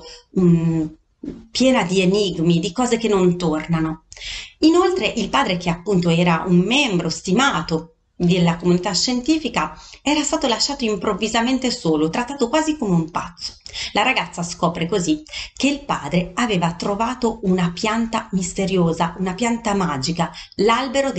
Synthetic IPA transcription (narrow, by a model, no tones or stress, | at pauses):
pjɛːnad̪ieniɡmid̪ikɔːzek̟enːont̪ornano | inolt̪ɾeʔilpaːd̪ɾek̟eapːunt̪oɛːɾaumːɛmbɾost̪imaːt̪o | d̪elːakomunit̪aʃːent̪iːfikaɛːɾast̪aːt̪olaʃːaːt̪oimpɾovːizament̪esoːlot̪ɾat̪ːaːt̪okwaːzikomeumpa̰t̪sːo̥laɾaɡat̪sːaskɔːpɾekozik̟eilpa̰ːd̪ɾeaveːvat̪ɾovaːt̪ounapjant̪amist̪eɾjoːzaunapjant̪amaːd͡ʒikalalbeɾod̪